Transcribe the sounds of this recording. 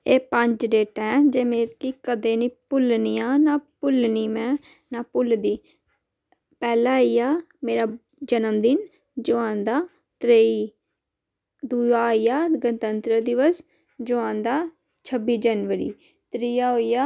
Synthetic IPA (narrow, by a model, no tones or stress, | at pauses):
eːpə̃ɲd͡ʒɖeːʈɛ̃ːd͡ʒeːmẽːkikəd̪eːniːpʊlniːaːnaːpʊlniːmɛ̃ː | napʊld̪iː | pɛːlaːijaː | meːɾaː | d͡ʒənəmd̪ɪn | d͡ʒʊãːnd̪aː | t̪ɾeːiː | d̪uːaːijaːɡət̪ənt̪ɾəd̪ɪʋəs | d͡ʒʊãːnd̪aː | t͡ʃʰəbiːd͡ʒənʋəɾḭː | t̪ɾiːjaːɦoijaː